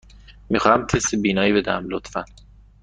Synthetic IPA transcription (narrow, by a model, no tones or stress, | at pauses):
mixɒːhæmt̪ʰesebiːnɒːjibe̞d̪ææmlot̪fæn